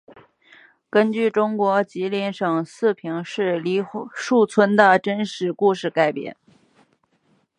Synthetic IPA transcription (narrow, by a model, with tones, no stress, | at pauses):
kə˥nt͡ɕy˥˩ʈ͡ʂʊ˥ŋkwɔ˧˥t͡ɕi˧˥lɛ˧˥nʂɤ˨˩ŋsɹ̩˥˩pʰi˧˥ŋʂɻ̩˥˩li˧˥ʂu˥˩t͡sʰwə˥nd̪ə˨ʈ͡ʂə˥nʂɻ̩˨˩ku˥˧ʂɻ̩˥˩ka˨˩ɪpjɛ̰˧˩˦n